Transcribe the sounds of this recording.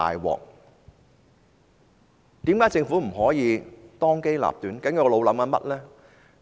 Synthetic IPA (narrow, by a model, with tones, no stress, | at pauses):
a̰ː˨jwɔ̰ː˨˩k̚ | t̪iː˨˥mkaː˨˥jt͡sɪ˧ŋfu˨˥m̩˨˩ɦɔː˨˥jiː˨˧t̪ɔː˥ŋke˥jla̰ː˨p̚t̪yː˨˥nkɐ˨˥ŋjɐ˨˧wlo˨˧wlɐ˨˥mka˧mɐ̰˦˥t̚lɛː˥